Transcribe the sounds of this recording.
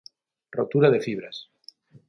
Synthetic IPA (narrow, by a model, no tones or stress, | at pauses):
rot̪uɾaðe̞fiβɾas